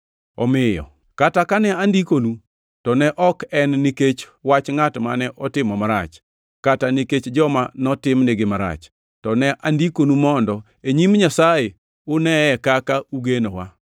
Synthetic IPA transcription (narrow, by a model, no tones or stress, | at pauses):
ɔ̰mɪjɔ̰ | katakanɛandikonu | tɔnɛʔɔkɛnːiket͡ʃ | wat͡ʃŋatmanɛʔɔtɪmɔmaɾa̰t͡ʃ | kataniket͡ʃd͡ʒɔmanɔtɪmneɡɪmaɾa̰t͡ʃ | tɔnɛʔandikonumɔndɔ | eɲimɲasaje | ʊnɛɛkakauɡenowa